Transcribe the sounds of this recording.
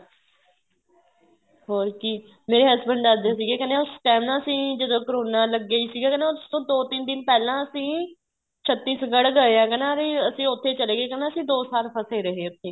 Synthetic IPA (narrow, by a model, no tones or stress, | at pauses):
ɦoːɾkiː | meːɾeːɦəsbəɳɖaːd̪jaːs̬iːɡeːkɛneːʊsʈɛːmnaːəsĩːd͡ʒəd̪õːkəɾoːnaːləɡːəiːsiːɡaːkɛneːʊst̪õːd̪oːt̪ɪnd̪ɪnpɛːlãːəsĩː | t͡ʃʰət̪ːiːsɡəɽɡəeːɛːkɛːnaːɾeːəsĩːʊt̪ʰːeːt͡ʃəleːɡeːkɛneːəsĩːd̪oːsaːɾpʰəseːɾəɦeːʊt̪ʰːeː